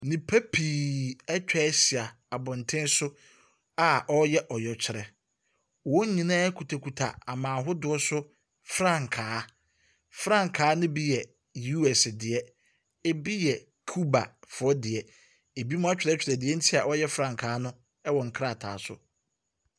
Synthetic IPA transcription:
nĩ˨pʰa˦pʰiː˨ɛ˦t͡ɕᶣɛ˦si˨a˨ | a˨bɔ̃˨n˨tʰɪ̃˦n˦sʊ˦ | a˨ʔɔ˦jɛ˦ʔɔ˨jɔ˨t͡ɕᶣʰɪ˨ɾɛ˨ | wɔ˦ɲ˦ɲĩ˨nãː˦kʰu˨tʰa˨kʰu˨tʰa̰˨a˨mãː˨ɦʊ˦dʊ˦ɔ˦sʊ˦ | fɾã˦˨ŋ˨kʰaː˨˦ | fɾã˦˨ŋ˨kʰaː˨˦nʊ̃˦bi˦jɛ˨ | ju˦ɛ˨sdɪ˨ɛ˦ | e˦bi˦jɛ˨ | kʰu˦ba̰˨fʊ˨ɔ˦dɪ˨ɛ˨ | e˨bi˦mʊ̃˦a˦t͡ɕᶣɪ˨ɾɛ˦t͡ɕᶣɪ˨ɾɛ˨dɪ˨ɛ˦n̩˦tʰi˦a˨ʔɔ˦jɛ˦fɾã˦˨ŋkʰaː˨˦nʊ̃˦ | ɛ˦wɔ̃˨ŋ̩˨kʰɾa˦˨tʰa̰ː˨sʊ̰˦

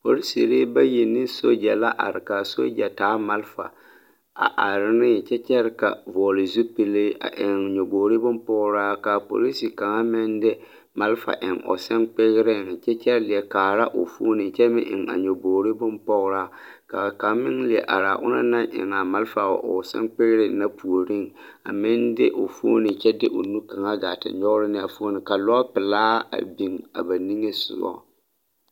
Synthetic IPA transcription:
po˦ɾi˦sḭ˨ɾe˦ba˦ji˨nɪ˦so˦d͡ʒa˨la˦ʔa̰˨ɾɪ˨ka˨so̰˦d͡ʒa˨taː˨˦ma˨lfa̰˨ | a̰˨ʔa˨ɾɪ˦nɪ˦˨t͡ʃɛ˦t͡ʃɛ˦ɾka̰˨vɔ˨lɪ˨zu˦pɪ˨le˦a̰˨ʔɪ˨ŋɲo˨boː˨ɾi˦bʊ˦mpɔ˦ɣɾaː˦ka˨po̰˨li˦sɪ˨ka˨ŋa˦mɪ˦ndɪ˦ | ma˨˦lfa̰˨ʔɪ˨ŋɔ̰˨sɛ˦nk͡pɪ˦ɣɪ˦ɾɪ˦˨ŋ˨t͡ʃɛ˦t͡ʃɛ˦ɾlɪ˨ɛ˨kaː˨ɾa˦ʔʊ̰˨fu˦nɪ˨t͡ʃɛ˦mɪ̰˦ʔɪ̰˨ŋa̰˨ɲo˨boː˨ɾi˦bʊ˦mpɔ˦ɣɾaː˦ | ka˨ka˨mɪ˦ŋlɪ˨ɛ˨ʔa̰˨ɾa̰˨ʔʊ̰˦na̰˦na˦ŋʔɪ̰˨ŋa˨ma˦lfa˨ʔo̰˨sɛ̰˦nk͡pɪ˦ɣɾɪ˨na˦pu˨o˨ɾi˦˨ŋ | a̰˨mɪ˦ndɪ̰˦ʔo˨fo̰ː˦nɪ˨t͡ʃɛ˦dɪ˦ʔʊ˨nu˦ka˨ŋa˦ɡa˨tɪ̰˨ɲɔ˦ɣʊ˦ɾɪ˦nɪ˦a˨fo˦o˦nɪ˨ka˨lɔ˦pɪ˨laː˦a̰˨bi˨ŋa̰˨ba˨ni˦ŋe˦sʊ̰˨ɔ̰˦

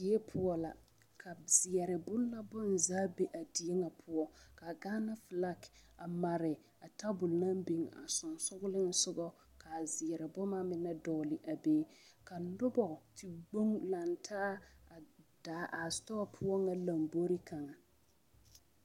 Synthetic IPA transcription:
di˨˦e˦pʰʊ˦ɔ˦la̰˨ | kʰa˨z̥ɪ˨ɛ˨ɾɪ˨bʊ˦lla˦bʊ˦n˨zaː˦be˦ʔa˨di˨e˦ŋa˨pʰʊ˦ɔ˦ka˨ɡaː˦na˦fɪ˨la˦ka˨ma˨ɾɪ˨ | a˨ta˦bʊ˨lna˦m˦bi˨ŋa̰˨sʊ˨nsʊ˦ɡʊ˦lɪ˦n˦sʊ˦ɡɔ˦ | kʰa˨zɪ˨ɛ˨ɾɪ˨bʊ˦ma˦mɪ˨na˦dɔː˨lɪ˨ʔa˨beː˦ka˨nʊ˦bɔ˨tʰi˨ɡ͡bo˦ŋla˨ntʰa˦˨ | d̥a˨˦ʔa˨stɔ˦ɔ˦pʰʊ˦ɔ˦ŋa˨la˨mbo˦ɾi˦kʰa˨ŋa˨

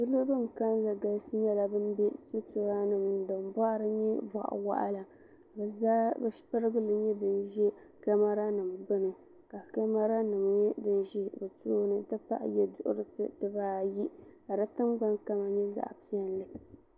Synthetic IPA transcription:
bɨ˦lo˦bɨ˦˨m˨ka˦n˦za˨ɡa˨lsɨ˦ɲɛ˦la˨bɨ˦nbɛ˦so˦to˨ɾa˦nɨ˨mnɨ˨dɨ˨n˨ba˦ʔɾɨ˦ɲɛ˦va̰˨ʔa̰˨wa̰˦ʔa̰˦la˨ | bɛ˨zaː˦bɨ˦pɨ˦ɾɨ˦ɡɨ˦lɨ˦ɲɛ˦bɨ˦nʒɛ˦ | ka˦ma˦ɾa˦nɨ˨mbɨ˦nɨ˨ | ka˨ka˦ma˦ɾa˦nɨ˨mɲɛ˦dɨ˦nʒi˦bɨ˨toː˦nɨ˨tɨ˦pa̰˦ʔjɛ˦dʊ˨ʔʊ̰˦ɾɨ˦sɨ̰˨dɨ˦baː˦ji˦a˨ɾa˦tɨ˦mɡ͡ba˦nka˦ma˨ɲɛ˦za̰˨ʔpi˦ɛ˦n˦lɨ˨

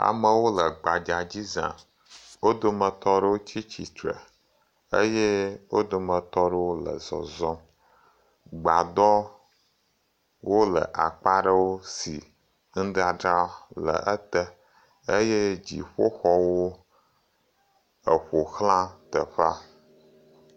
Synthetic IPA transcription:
a̰˨mə˦wo˦lə˨ɡ͡ba˨d͡ʒa˨d͡ʑi˦zã̰˨ | wo˦d̪o˦mə̃˨t̪ɔ˦ɖə˦wo˦t͡ɕi˦t͡ɕi˨t̪ɾə̰˨ | ə˦je˦wo˦d̪o˨mə˨t̪ɔ˦ɖə˦wo˦lə̰˨zɔ̰˨zɔ̃˦ | ɡ͡ba˨d̪ɔ˦ | wo˦lə̰˨ʔa˨k͡pa˦ɖə˦wo˦si˨ | ŋ̩˦ɖa˨ɖɾa˦lə̰˨ʔə˦t̪ə˦ | e˦je˦d͡ʑḭ˨ɸo˦xɔ˦wo˦ | ə˨ɸo˨xlã˦t̪ə˨ɸa˦

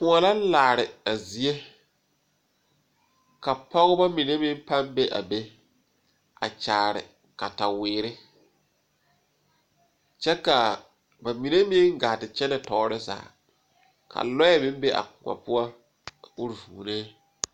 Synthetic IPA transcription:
pʊ˨a˨la˦laː˨ɾɪ˨a˨zi˨e˦ | ka˨pɔ˦ɣʊ˦ba˦mi˨ne˦mɪ̃˦n˦pa˦mbe˦ʔa̰˨be˦ | a̰˨t͡ʃaː˨ɾɪ̰˨ | ka˨ta˨wɪː˨ɾɪ˦ | t͡ʃɛ˦ka˨ | ba˨mi˨ne˦mɪ˦ŋɡa˨tɪ˨t͡ʃɛ˦nɛ˨tɔː˨˦ɾɪ˦za̰ː˨ | kʰa̰˨lɔ˦jɛ˦mɪ̃˦mbe˦ʔa̰˨kʊ˨ŋʷa̰˨pʊ˦a˦ | ʊ˦ɾvṵː˨neː˦

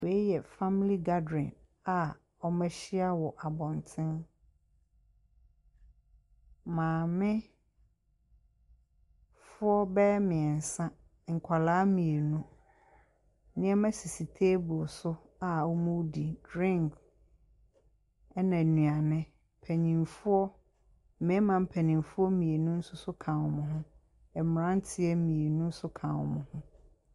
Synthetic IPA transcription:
wɛ˨˦jɛ˨fa˦mi˦li˦ɡa˦dɪ̃˨n | a˨ | ɔ˦mɛ̃˦ɕɪ˦a˦wɔ˨ʔa˨bɔ̃˨ntʰɪ̃˦n | mãː˨mɪ̃˦ | fʊ˦ɔ˦bɛ˦mɪ̃˨ɛ˨n̩˨sã˦ | ŋ̩˨kʷʰa˨laː˦mĩ˨e˨nũ˦ | nɪ̃˦ɛ˦mæ̃˦si˨si˨tʰeː˦bʊ˨sʊ˦ | a˨ɔ˦mũ˦wdi˨dɾɪ̃˦˨ŋk | ɛ˦nã˨nũ˨a˨nɪ̃˦ | pʰæ˨ɲĩ˨mfʊ˦ɔ˦ | mɛ̃˨˦mã˨m̩˦pʰæ˨nĩ˨mfʊ˦ɔ˦mĩ˨e˨nũ˦n̩˦sʊ˦sʊ˦kʰã˨wɔ˨mʊ̃˨ɦʊ̃˦ | ɛ˨m˨ɾã˦n˦tʰɪ˦ɛ˦mĩ˨e˨nũ˦n̩˦sʊ˦kʰã˨wɔ˨mʊ̰̃˨hʊ̃˦

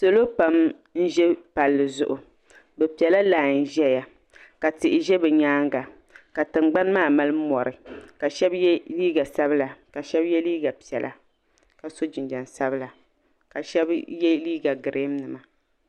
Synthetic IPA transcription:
so˨lo˦pa˨m | n̩˦ʒɛ˦pa˨lːɨ˨zʊ̰˨ʔʊ˨ | bɛ˨pi˨ɛ˨la˦laː˨n̩˦˨ʒɛ˦ja˨ | ka˨tɪ˨ʔɪ˨ʒɛ˦bɛ˨ɲaː˦ŋɡa˨ | ka˨tɨ˨mɡ͡ba˦n˦maː˦˨ma˦lɨ˦mɔ˨ɾɨ˨ka˨ʃɛ˦bjɛ˦liː˦ɡa˨sa˦bɨ˦la˨ka˨ʃɛ˦bjɛ˦liː˦ɡa˨pi˨ɛ˨lʔa̰˨ | ka˨so˦d͡ʒi˨nda˨nsa˦bɨ˦la˨ | ka˨ʃɛ˦bjɛ˦liː˦ɡa˨ɡɨ˨ɾe˦mnɨ˨ma˨

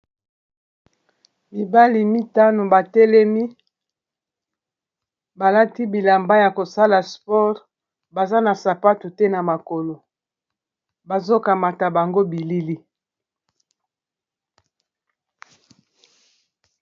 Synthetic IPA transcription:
bi˨ba˦li˨mi˦ta˦no˨ba˨tɛ˦lɛ˦mi˦ | ba˨la˦ti˦bi˨la˨mba˦ja˨ko˨sa˦la˨spɔ˦ʁ | ba˨za˦na˨sa˨pa˦tu˨tɛ˦na˨ma˨ko˨lo˨ | ba˨zo˦ka˨ma˨ta˨ba˨ŋɡo˦bi˨li˦li˦

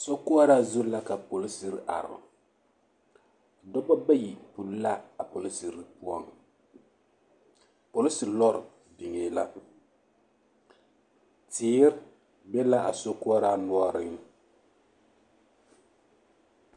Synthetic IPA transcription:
sɔ˦ku˦a˦ɾa˦zʊ˦la˦ka˨po˨li˦si˦ɾɨ˨ʔa̰˨ɾɨ̰˨ | dɔ˦bɔ˦ba˦ji˨pu˨lla˦a˨po˨li˦si˨ɾɨ˨pu˦ɔ˦ŋ | po˨lɪ˦si˨ɾlɔ˦ɾɨ̰˨ | bi˨ŋe˦la̰˦ | tiː˨˦ɾ | bɛ˦la˦ʔa̰˨sɔ˦ku˦a˦ɾa˦nɔ˦ɔ˦ɾɨ˦ŋ

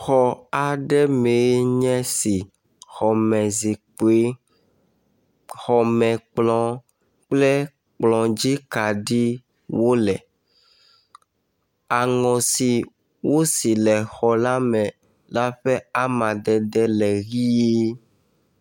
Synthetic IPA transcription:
xɔ˨a˨ɖɛ˦me˨˦ɲɛ̃˦si˨ | xɔ˨mɛ̃˨zi˨k͡po˨e˦ | xɔ˨mɛ̃˨k͡plɔ̃˨ | k͡plɛ˦ | k͡plɔ̃˨d͡ʑi˦ka˨ɖi˦ | wo˦lɛ˨ | a˨ŋɔ̃˨si˨ | wo˦si˨lɛ˨xɔ˨la˦mɛ̃˨ | la˦ɸɛ˦a˦mã˨d̪ɛ˨d̪ɛ˦lɛ˨ɣi˦je˦

